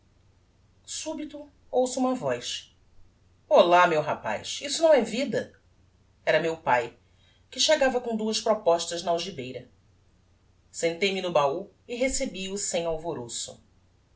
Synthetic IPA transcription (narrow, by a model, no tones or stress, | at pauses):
subit̪ʊ | owsʊũmɐvɔjs | olamewɦa̰pa̰jsisʊnɐ̃w̃ɛvid̪ɐ | ɛɾɐmewpaj | kɪʃeɡavɐkõd̪uɐʃpɾɔpɔʃt̪ɐʒnɐawʒibejɾɐ | sẽnt̪ejmɪnʊbau | ɪɦesebiʊsẽj̃awvoɾosʊ̰